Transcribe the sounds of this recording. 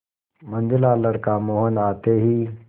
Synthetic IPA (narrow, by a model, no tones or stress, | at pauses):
mə̃nd̪ɪlaləɽkamoːɦənaːt̪eɦiː